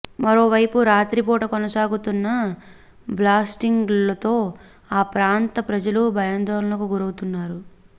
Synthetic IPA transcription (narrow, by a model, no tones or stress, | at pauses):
mɐɾo̞ːʋɐjpuɾaːt̪ɾipɔːʈɐkonɐsaːɡut̪unːɐ | blaːsʈiŋɡlɐt̪o̞ː | aːpɾaːnt̪ɐpɾɐd͡ʒɐlubʱɐjɐnd̪ɐnɐlɐkuɡuɾɐwut̪unːaːɾu